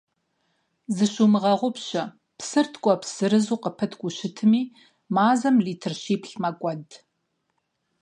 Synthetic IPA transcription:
zɨɕumɨʁɐʁʷʊpɕɐ | pʰsɨrtʰkʷʼɔpsɨɾɨzuːqəpʰɐtʰɡʷʼʊɕɪtʰɨmiː | maːzɐmliːtʰɨrɕiːpʰɬmɐkʷʼɔd

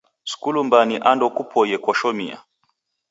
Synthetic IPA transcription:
su̥kulumbaniʔandɔkupʰɔjɛkwɔʃɔmia̰

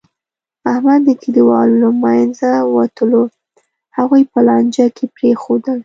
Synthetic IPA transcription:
ahmad̪ːəkid̪iwɑlolamajnzawat̪əlo | haɣujpəlɑnd͡ʒakʰepɾexod̪əl

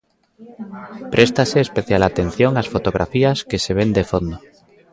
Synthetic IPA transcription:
pɾest̪aseːspeθjalat̪en̟θjoŋasfot̪oɣ̞ɾʔa̰fiaskeseβ̞end̪efond̪o

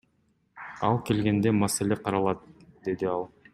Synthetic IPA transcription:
ɑ̰lˠke̞lɡe̞nd̪e̞mase̞lʲe̞qʰɑɾɑlˠɑt̪̚d̪e̞d̪iɑlˠ

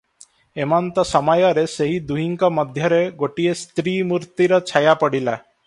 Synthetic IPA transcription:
emɔnt̪ɔsɔmɔjɔɾeseɦid̪uɦiŋkɔmɔd̪ʱjɔɾeɡoʈiest̪ɾimuɾt̪iɾɔt͡ʃʰajapɔɽila

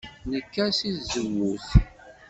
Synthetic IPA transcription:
nəkːæsiθzəwːuθ

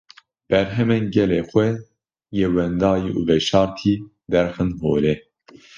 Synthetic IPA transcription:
b̥ɛɾɦɛmɛnɡɛleːxʷɛ | jewɛnd̪ɑːjiʔuːvɛʃɑːɾt̪ʰiː | d̪ɛɾxɨnɦoːlɛ

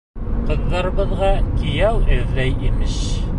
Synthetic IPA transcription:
qɤ̆ðːɑɾɤ̆βɤ̆ðʁɑkĭjæwʔɘðːæjimɘɕ

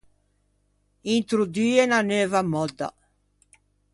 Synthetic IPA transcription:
int̪ɾud̪iːɛnaneːvamːɔd̪ːa̰

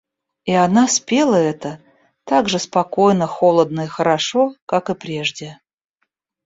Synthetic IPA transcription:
ianaspʲe̞lˠəɛt̪ə | t̪aɡʐɨspɐkojnəxolˠəd̪̚nəixəɾaʂokakɨpɾʲe̞ʐdʲɪ

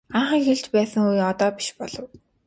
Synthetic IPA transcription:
aɴχə̆ŋxeɮt͡ɕpæːsə̆ŋujɔt̪ɔːpi̥ʃpɔɮɞ̆w

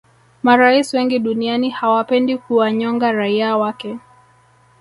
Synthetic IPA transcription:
maɾaiswɛŋɡiɗunianihawapɛndikuwaɲɔŋɡaɾaiawakɛ

